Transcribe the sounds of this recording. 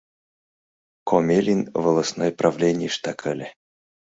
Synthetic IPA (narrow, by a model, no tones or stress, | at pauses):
kʰomʲelʲinvəlˠasnojpɾavlʲenʲɪjiʂt̪akʰalʲɛ